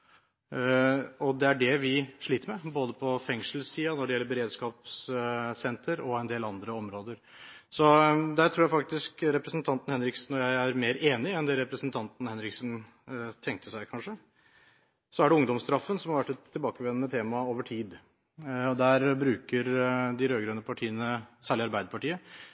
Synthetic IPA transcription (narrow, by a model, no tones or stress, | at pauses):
ɔd̪ɛæɖɛʋɪʂɭiːt̪əɾmɛboːd̪əpʰɔfɛŋʂəl̩siːɑnɔɖɛjɛlːəɾbəɾeːd̪skɑːpssɛnt̪ʰəɾɔɛnd̪eːlɑnd̪ɾəɔmɾoːd̪əɾ | sɔd̪æɾʈ̪ʰɾuːjæɪfɑk̚t̪ɪskɾɛpɾəsənt̪ʰɑnt̪n̩hɛnɾɪksn̩ːɔjæɪæɾmeːɾeːnɪɛnd̪ɛɾɛpɾəsənt̪ʰɑnt̪n̩hɛnɾɪksən | t̪ʰɛŋk̚t̪ʰəsæɪkʰɑnʂə | sɔæɖɛʊŋd̪ɔmst̪ɾɑfːənsɔmhɑɾʋæʈːɛt̪ʰːɪlbɑːkəʋɛnənət̪ʰeːmɑoːʋəʈʰiːd̪ | ɔd̪æɾbɾʉːkəɾd̪ɪɾøːɡɾœnːəpʰɑʈʰiːənəsæːɭɪɑɾbæɪd̪əpɑʈiːə